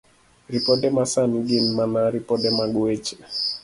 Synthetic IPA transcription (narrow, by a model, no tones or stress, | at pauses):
ɾipɔtɛmasanɡinmanaɾipɔtɛmaɡuɛt͡ʃɛ̥